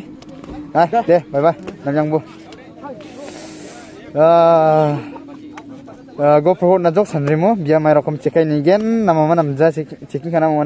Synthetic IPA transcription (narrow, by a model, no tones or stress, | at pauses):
ajdebajbajnamjaŋbu | ɡɔpʰɾɔhɔt̚nazɔk̚sanɾimubijamajɾɔkʰɔmt͡ʃekʰajniɡenːamamanamzasekiŋkʰanamaman